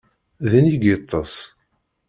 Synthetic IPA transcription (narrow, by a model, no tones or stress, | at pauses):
ðəniɡit̪ˤːɑs